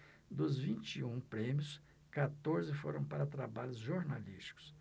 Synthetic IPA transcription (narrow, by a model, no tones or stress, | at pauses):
d̪ʊzvĩnt͡ʃiũpɾẽmjʊs | kat̪oɾzɪfoɾɐ̃w̃paɾɐt̪ɾabaʎʊzʒoɾnaliʃt͡ʃi̥kʊ̥s